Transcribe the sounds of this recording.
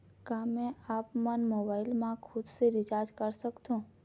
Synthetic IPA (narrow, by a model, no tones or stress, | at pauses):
ɡamẽapmanmobailmãkʰʊd̪seɾid͡ʒaɾd͡ʒkəɾʃəkt̪ũ